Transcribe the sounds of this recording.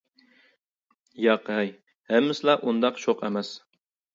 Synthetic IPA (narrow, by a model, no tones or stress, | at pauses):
jɑqɛj | hɛmːɪsɪlˠɑʔund̪ɑqʃʰoqɛ̰mɛs